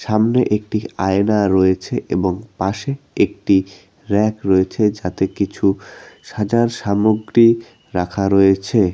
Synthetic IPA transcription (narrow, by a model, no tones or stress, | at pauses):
ʃamneʔek̚ʈiajnaɾoet͡ɕʰeʔeboŋpaʃeek̚ʈi | ɾɛkɾoet͡ɕʰed͡ʑat̪ekit͡ɕʰuʃad͡ʑaɾʃamoɡɾi | ɾakʰaɾojet͡ɕʰe